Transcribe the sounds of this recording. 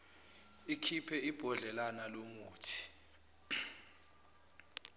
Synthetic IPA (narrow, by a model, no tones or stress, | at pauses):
ikʰipʰɛib̥ʱɔɮɛlanalomuːtʰi̥